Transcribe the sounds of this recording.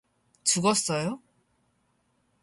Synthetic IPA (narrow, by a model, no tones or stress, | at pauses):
t͡ɕuɡʌs͈ʌjo